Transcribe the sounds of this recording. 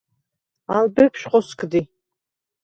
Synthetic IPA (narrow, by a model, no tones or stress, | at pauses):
albɨpʰʃqʼɔskʰʼd̪i